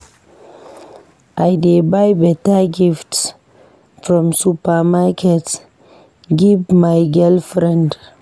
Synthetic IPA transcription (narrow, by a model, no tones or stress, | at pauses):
ʔajdebajbɛtaɡifts | fɹɔ̃msupamakʰɛt | ɡivmajɡɛlfɾɛ̃nd